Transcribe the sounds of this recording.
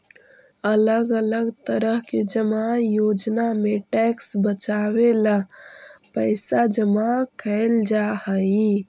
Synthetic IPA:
ələɡələɡt̪əɾəɦked͡ʒəmajod͡ʒnameʈɛksbət͡ʃawela | pəɪsad͡ʒəmakʰəɪld͡ʒahəi

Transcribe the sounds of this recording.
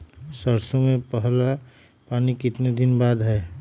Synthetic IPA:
səɾsõmẽpəɦla | paːnikɪt̪ned̪ɪnbaːd̪ɦɛː

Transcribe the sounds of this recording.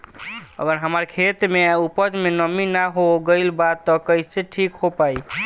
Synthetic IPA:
ə̰ɡəɾɦəməɾkʰet̪meupəd͡ʒmenəminaɦoɡəɪlbat̪ːɔkəjseʈʰikɦopaj

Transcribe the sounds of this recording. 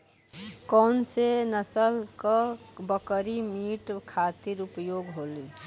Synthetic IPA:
kɔnsenəsəlkəbəkəɾimiʈkʰat̪iɾupjoɡɦoli

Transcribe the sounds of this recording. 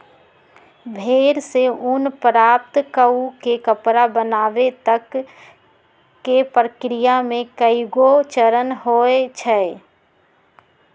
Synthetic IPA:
bʱeːɾseʊnpɾaːp̚t̪kəukekəpɾabənaːʋet̪ək | epɾəkɾijamẽkəiɡot͡ʃəɾənɦoet͡ʃʰɛ

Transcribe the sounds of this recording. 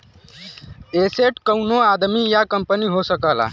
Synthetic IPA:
eseʈkəwnoad̪mijakəmpəniːɦosəkala̰

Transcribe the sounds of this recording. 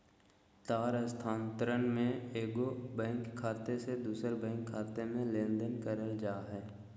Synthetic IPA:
t̪aːɾəst̪ʰaːnt̪əɾənmẽeːɡobɛ̃ːŋkʰːaːt̪esed̪uːsəɾbɛ̃ːŋkʰːaːt̪emẽlẽːnd̪ənkəɾəld͡ʒaːɦɛː

